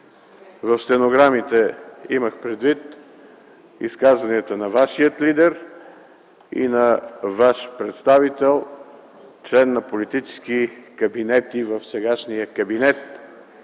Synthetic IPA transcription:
vɐfst̪ɛnoɡɾamit̪ɛiməxpɾɛd̪vit̪ | ḭskazvɐniət̪ənɐvaʃiət̪lid̪ɛɾ | ḭnɐvaʃpɾɛt̪st̪avit̪ɛlˠ | t͡ʃlɛnːɐpolit̪it͡ʃɛ̥skikɐbinɛt̪ivəfsɛɡaʃnijəkɐbinɛt̪

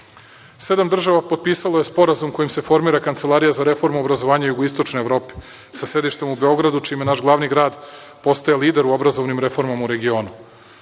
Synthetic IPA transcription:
se̞d̪amd̪r̩ʒaʋapo̞d̪̚piːsalo̞je̞spo̞ɾazumko̞jimse̞fo̞ɾmiːɾakant̪se̞lˠaːɾijazaɾe̞fo̞ɾmuobɾazo̞ʋaːɲajuɡoist̪o̞t͡ʃnojevɾo̞ːpi̥ | sasɾed̪iʃt̪e̞mube̞o̞ɡɾad̪ut͡ʃiːmje̞naʃɡlˠaːʋniɡɾaːd̪ | po̞st̪ajaliːd̪eɾuobɾazo̞ʋnimɾefo̞ɾmamuɾe̞ɡio̞ːnu

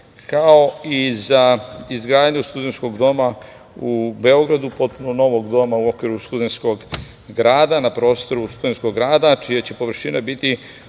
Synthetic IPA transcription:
kaoizaizɡɾaːd̪ɲust̪ud̪ensko̞ɡd̪o̞ma | ube̞o̞ɡɾad̪upo̞t̪̚punono̞ʋo̞ɡd̪o̞mauo̞kʋiɾust̪ud̪e̞nsko̞ɡ | ɡɾaːd̪anapɾo̞ːst̪o̞ɾust̪ud̪e̞nsko̞ɡɾaːd̪at͡ʃijat͡ɕe̞po̞ʋr̩ʃinabit̪i

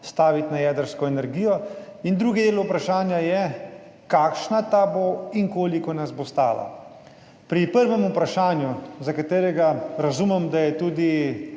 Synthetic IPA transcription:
st̪aːʋit̪najɛːd̪əɾskɔɛnɛɾɡiːjɔind̪ɾuːɡid̪eːlupɾaʃaːnjajɛ | kaːkʃnat̪aboiŋkoːlikɔnazbɔst̪a̰ːla̰ | pɾipəɾʋɛmupɾaʃaːnjuzakat̪eːɾɛɡaɾazumɛmd̪ajɛt̪uːd̪i

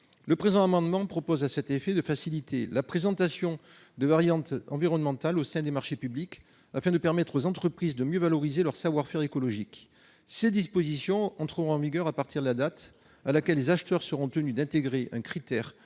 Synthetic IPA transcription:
ləpχezɑ̃amɑ̃d̪mɑ̃pχɔpɔzasɛt̪efed̪əfasilit̪elapχezɑ̃t̪asjɔ̃ | d̪əvaʁjɑ̃t̪ɑ̃viʁɔnmɑ̃t̪alosɛ̃d̪emaʁʃepyblik | afɛ̃d̪əpɛʁmɛt̪χozɑ̃t̪χəpχizd̪əmjøvalɔʁizelœʁsavwaʁfɛʁekɔlɔʒik | sed̪ispɔzisjɔ̃ɑ̃t̪χəʁɔ̃ɑ̃viɡœʁapaʁt̪iʁd̪əlad̪at̪ | alakɛlːezaʃt̪œʁsəʁɔ̃t̪ənyd̪ɛ̃t̪eɡʁeʔɛ̃kχit̪ɛʁ

